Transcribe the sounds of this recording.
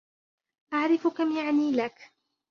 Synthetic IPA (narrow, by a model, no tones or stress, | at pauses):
ʔaʕɾɪfʊkamjaʕniːlak